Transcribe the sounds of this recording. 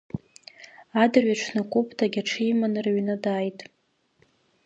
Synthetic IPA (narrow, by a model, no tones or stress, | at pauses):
adɨrɥaʈ͡ʂʷʰnakʷʼupʰʼtʰaɡʲaʈ͡ʂʰijmanɨrɥnadaːjtʼ